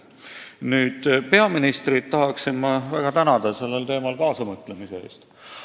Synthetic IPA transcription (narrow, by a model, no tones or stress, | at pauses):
nyːd̪̥pe̞ɑminist̪ɾid̪̥t̪ɑɦɑksinmɑvæɡ̥ɑt̪ænɑd̪ɑse̞lːe̞lt̪e̞ːmɑlkɑːsɑmɤt̪ːˑlemise̞ḛːst̪